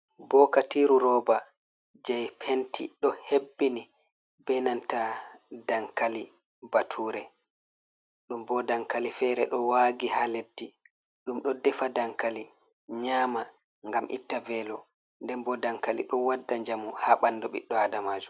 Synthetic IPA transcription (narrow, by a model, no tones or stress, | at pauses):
bɔkatiːɾuɾɔːba | d͡ʒɛjpʰentḭɗɔhebːini | bɛnantadaŋkali | batʰuːɾɛ | ɗumbɔdaŋkalifɛɾɛɗɔwaːɡihaledːi | ɗumɗɔdɛfadaŋkali | ɲaːma | ŋɡamʔḭtːavɛlɔ | ndɛnbɔdaŋkalḭɗɔwadːaɲd͡ʒamuhaːɓandɔɓḭɗːɔadamaːd͡ʒum